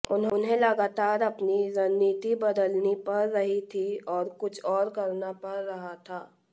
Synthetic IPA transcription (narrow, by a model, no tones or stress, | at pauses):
ʊnɦʊnɦẽlɐɡaːt̪aːɾɐpniɾɐnːiːt̪ibɐd̪əlnipɐɾːɐɦit̪ʰiɔːɾkʊt͡ʃʰɔːɾkɐɾnapɐɾːɐɦat̪ʰaː